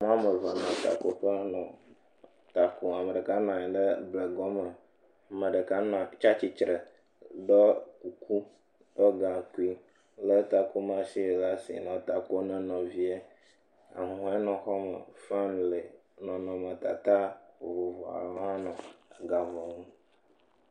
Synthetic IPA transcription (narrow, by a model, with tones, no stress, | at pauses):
m˦ã˦mə˨va˨nã˨t̪a̰˨ko˦ɸə˦nɔ̃˨ | t̪a˨ku˨a˨mə˨ɖə˨ka˦nã˨ɛ˨ɖə˦ble˨ɡɔ˦mə˨ | a˨mə̃˨ɖə˨ka˦nã˨t͡ʃa˦t͡ɕi˨t͡ʃɾə˨ | ɖɔ˦ku˨ku˦ | ɖ̥ɔ˦ɡã˨ku˦i˦ | lə˦t̪a˨ko˦mã˦si˦˨la˦sḭ˨nɔ̃˨t̪a˨ko˦nə̃˨nɔ̃˨vi˦e˦ | a̰˨ɦũ˨˦e˦nɔ̃˨xɔ˦mə̰˨fa˦nle˨ | nɔ̃˨nɔ̃˨mə˨t̪a˨t̪a˦wo˨vo˨vɔ˨a̰˨lɔ˦a˦nɔ̃˨a˨ɡa˨vɔ˨ŋũ˦